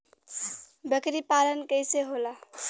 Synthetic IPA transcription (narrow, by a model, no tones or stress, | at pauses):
bəkɾipalənkəɪseɦola